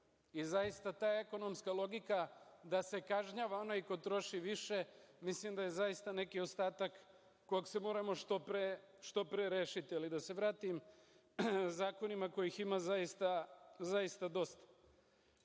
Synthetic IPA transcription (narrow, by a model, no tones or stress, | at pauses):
izajist̪at̪aːeko̞no̞mskalˠo̞ɡikad̪ase̞kaʒɲaːʋao̞naikot̪ɾo̞ʃiʋiʃe̞mislimd̪aje̞zajist̪ane̞kio̞st̪aːt̪akː | ojakse̞mo̞ːɾamo̞ʃt̪opɾe | ʃt̪o̞pɾeɾe̞ːʃit̪ialid̪ase̞ʋɾaːt̪im | zaːko̞nimako̞jiximazajist̪azajist̪ad̪o̞st̪ḁ